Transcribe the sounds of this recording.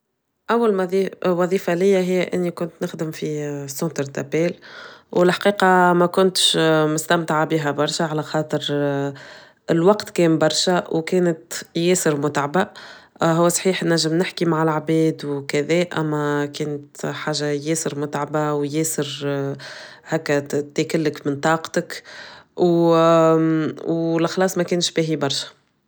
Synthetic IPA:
ʔæwːalmiwɑðˤiːfalɪjːæɦɪjːæʔɪnːikʊnt̪nɪxd̪ɪmfisːõːt̪əɾt̪æpɛːlwɪlħqiːqɑmækʊnt̪ʃmʊst̪æmt̪aʕabiːɦæbɑɾˤʃaʕalæxɑːt̪ˤəɾ | ɪlwɑqt̪kɛːmbɑɾˤʃawkɛːnət̪jɛːsɪɾmʊt̪ʕaba | ɦʊwːæsˤħiːħnːæʒːəmnɪħkimaʕɪlʕbɛːd̪wkæðɛːʔæ̰mːækɛːnət̪ħaːʒːajɛːsəɾmʊt̪ʕabawjɛːsəɾ | hɛːkːæt̪æːkɪlːəkmɪnt̪ˤɑːqt̪ək | w | wlxlɑːsˤmɛkɛːnʃbiɦibɑɾˤʃḁ

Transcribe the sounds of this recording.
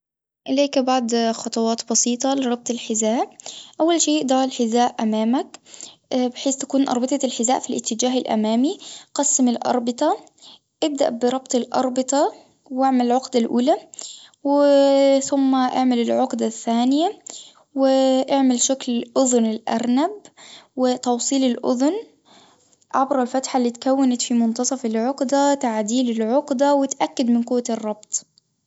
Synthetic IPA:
ʔɪleːkbaʕd̪xɑt̪ˤɑwɑːt̪bɑsiːt̪ˤɑlɪɾˤɑb̚t̪ˤɪlħɪzaːʔʔawːalʃeːʔd̪ɑːɾɪlħɪzaːʔʔamaːmak | bɪħeːtt̪ḁkuːnʔɑ̰ɾˤbɨt̪ˤɑlħɪzaːʔfilʔɪ̰t̪ːɪd͡ʒaːɦɪlʔa̰maːmiqɑsːɪmɪlʔɑ̰ɾˤbɪt̪ˤɑ | ʔɪb̚d̪a̰ʔbɪɾˤɑbt̪ˤɪlʔɑ̰ɾˤbɪt̪ˤɑ | wʔaʕmalɪlʕʊqd̪alʔuːlaw | θʊmːaʔaʕmalɪlʕʊqd̪aθːaːnɪja | wɪʔaʕmɪlʃaklɪlʔʊðʊnɪlʔa̰ɾˤnabwɪt̪ɑwsˤiːlɪlʔʊ̰ðʊn | ʕabɾˤɑlfat̪ħalːiːt̪kawːanat̪fimʊnt̪ɑsˤɑfɪlʕʊqd̪at̪aʕd̪iːlɪlʕʊqd̪awɪt̪ʔakːad̪mɪnqʊwːarˤːɑbt̪ˤ

